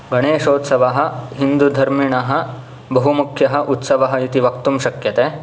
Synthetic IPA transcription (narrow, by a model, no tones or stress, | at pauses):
ɡɐɳeːʃoːt̪sɐʋaɦɐ̆ɦind̪ud̪ʱɐɾmiɳɐɦɐ̆ | bɐɦumukʰjɐɦɐ̆ʔut̪sɐʋɐɦɐit̪iʋɐk̚t̪umʃɐkjɐt̪eː